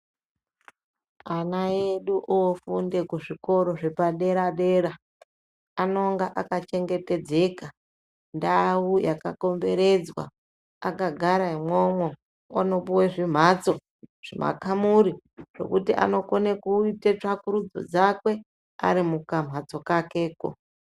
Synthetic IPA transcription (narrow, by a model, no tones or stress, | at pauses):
anaeɗuʔofunde̞kuʐiko̞ɾo̞ʐe̞paɗe̞ɾaɗe̞ːɾa | ano̞ŋɡaʔakat͡ʃe̞ŋɡe̞te̞d͡ze̞ka | ndawujakako̞mbe̞ɾe̞d͡zwa̰ | akaɡʱaɾaimwomwe | ono̞puweʐim̤at͡so̞ | ʐ̥ḭma̰kamuɾiʐ̥o̞̰kutiʔa̰no̞konekuitet͡ʂakuɾud͡zo̰d͡zakwe̞ | a̰ɾimukam̤ʱat͡so̞kake̞ːko̰